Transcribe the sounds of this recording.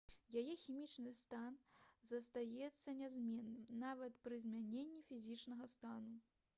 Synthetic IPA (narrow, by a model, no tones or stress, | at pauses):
jajɛxʲimʲit͡ʂnɨst̪anzɐst̪ajɛt̪sːɐnʲazʲmʲɛnːɨmnavɐt̪pɾɨzʲmʲanʲenʲːifʲizʲit͡ʂnɐɣɐst̪anu